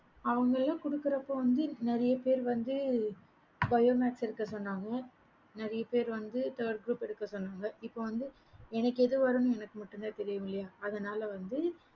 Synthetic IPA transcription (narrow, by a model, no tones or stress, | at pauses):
ɐʋɐŋɡɐɭɪlãːkʊɽɯkːɯɾɐpːoːʋɐnd̪ɯnɪɾɐjɐpeːɾʋɐnd̪ɯ | bɐjoːmaːʈsɪɾɯkːɐsɔnːaːŋɡɐ | nɐɾɐjɐpeːɾʋɐnd̪ɯt̪ɐːɾʈ̚ɡɾuːpɛɽɯkːɐsɔnːaːŋɡɐɪpːoːʋɐnd̪ɯ | ɛnɐkːɯɛðɯʋɐɾɯnɯ̃ɛnɐkːɯmɐʈːɯnd̪aːt̪ɛɾɪjɯmɪlːɐjaːɐðɐnaːlɐʋɐnd̪ɯ